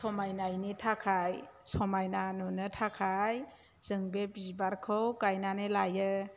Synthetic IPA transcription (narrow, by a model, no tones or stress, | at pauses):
sɔmajnajnitʰakʰajsɔmajnanunɯtʰakʰaj | z̥ɯŋbebizbaɾkʰɯwkajnanɯlajɯ